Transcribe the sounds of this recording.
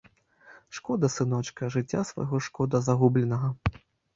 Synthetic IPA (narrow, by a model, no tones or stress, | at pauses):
ʂkɔd̪ɐsɨnɔt͡ʂkɐʐɨt͡sʲːasva̰jɣɔʂkɔd̪ɐzaɣublʲɛnɐɣɐ